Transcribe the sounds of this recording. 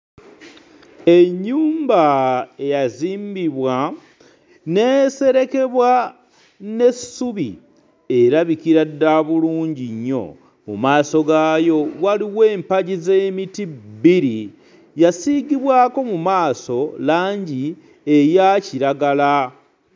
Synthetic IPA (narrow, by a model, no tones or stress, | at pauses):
eɲːuːmbae̞jaziːmbiβwa | ne̞se̞ɾe̞ke̞βwa | ne̞suβḭ | e̞ɾaβikiɾadːaβuluːɲɟiɲːo̞̰ | mṵmaːso̞ɡaːjo̞waliwe̞ːmpaɟizemitibiɾi | jasiɡiβwaːko̞mumaːso̞laːɲɟi | e̞jaciɾaɡala